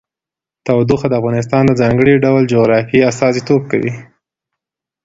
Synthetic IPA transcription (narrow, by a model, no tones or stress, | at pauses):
t̪awd̪uxad̪əafɣɑnɪs̬t̪ɑnd̪əd͡zɑŋɡəɽiɖawld͡ʒoɣɾɑfiast̪ɑzit̪op̚ka̰wḭ